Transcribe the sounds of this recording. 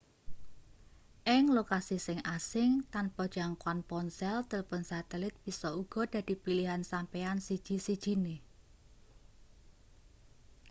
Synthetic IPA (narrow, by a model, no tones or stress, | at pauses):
ʔɪŋlokasisɪŋasɪŋt̪anpɔd̥ʒ̥aŋkwanpɔnsɛlt̪əlpənsat̪ɛlɪt̪̚b̥i̤sɔuɡ̥ɔ̤d̪̥a̤d̪̥i̤piliɦansampeansid̥ʒ̥i̤sid̥ʒ̥i̤ne